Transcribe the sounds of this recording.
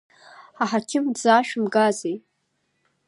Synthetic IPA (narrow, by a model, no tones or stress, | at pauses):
aħakʲʰɪmd͡zaʃᶣmɡazej